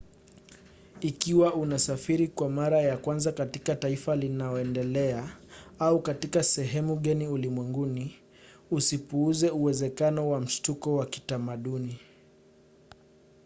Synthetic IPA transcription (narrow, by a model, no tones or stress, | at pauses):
ikiwaunasafiɾikwamaɾajakwanzakatikataifalinaɔɛndɛlɛaaukatikasɛɦɛmuɠaniulimwɛŋɡuni | usipuuzɛuwɛzɛkanɔwam̩ʃtukɔwaki̥tamaɗuni